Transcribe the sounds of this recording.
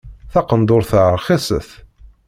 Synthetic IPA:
θɑqənd̪ʊɾθəɾχesə̰θ

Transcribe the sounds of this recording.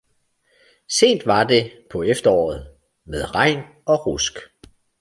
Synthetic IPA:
se̝̰ːnd̥ʋɑ̈d̥e̝pʰɒ̽efd̥ɐɒ̰ːð̞̩ˠ | með̞ˠʁɑ̈ɪ̰n | ɒ̽ʁusɡ̥

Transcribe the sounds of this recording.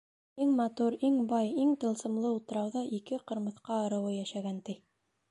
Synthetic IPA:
iŋmɑt̪uɾiŋbɑjiŋt̪ɤ̆lˠsɤ̆mlˠɤulˠt̪ɤ̆ɾɑwðɑʔikɘqɤ̆ɾmɤ̆θqɑ̆ːɾɤ̆wɤjæʃæɡænt̪i

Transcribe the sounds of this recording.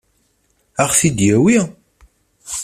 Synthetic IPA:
aχθid̪jæwi

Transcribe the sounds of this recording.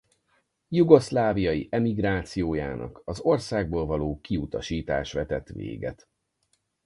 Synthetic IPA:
juɡo̞slaːvijɒjiʔɛmiɡraːt̪sijoːja̰ːnʔɒ̰kɒzo̞rsaːɡ̚boːlvɒloːkiut̪ɒʃiːt̪a̰ːʃʋɛt̪ɛt̪ʋḛːɡɛ̰t̪

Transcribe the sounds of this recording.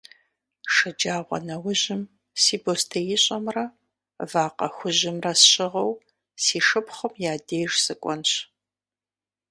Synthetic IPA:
ʂɨd͡ʒaːʁʷɐ̰nɐwʊʑɪm | siːbostʰɐjɪɕʼɐmrɐ | vaːqɐ̰xʷʊʑɪmrɐsɕʼɪʁɐw | siːʂɨpχəmjaːdeːʒsɨkʷʼɔnɕ

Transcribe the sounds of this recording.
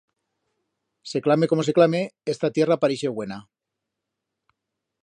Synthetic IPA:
se̞klame̞ko̞mo̞se̞klameest̪at̪je̞rapaɾiʃeɣwe̞na

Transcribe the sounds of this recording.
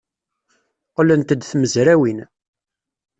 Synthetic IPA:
qlənt̪əd̪θməzɾæwin

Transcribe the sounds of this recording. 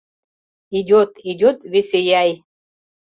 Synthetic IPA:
idʲot̪idʲot̪vʲesʲejaj

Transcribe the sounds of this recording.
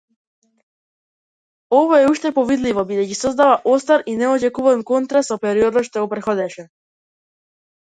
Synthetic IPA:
ɔvɔɛuʃt̪ɛpɔvid̪livɔbid̪ɛcisɔzd̪avaʔɔst̪aɾinɛɔd͡ʒɛkuvɔnkɔnt̪ɾasɔpɛɾiɔd̪nɔʃt̪ɔɡɔpɾɛt̪xɔd̪ɛʃɛ

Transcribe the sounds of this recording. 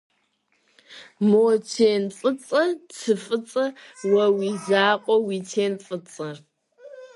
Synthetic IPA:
moːt͡ʃʰeːnfʼɨt͡sʼɐt͡sʰɨfʼɨt͡sʼɐwɐwiːzaːqʷʼɔwiːtʰeːnfʼɨt͡sʼɐ

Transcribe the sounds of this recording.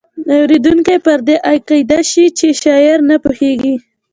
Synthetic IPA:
awɾed̪uŋkepəɾd̪eʔajqɑjd̪aʃit͡ʃeʃɑɪɾnapuheɡi

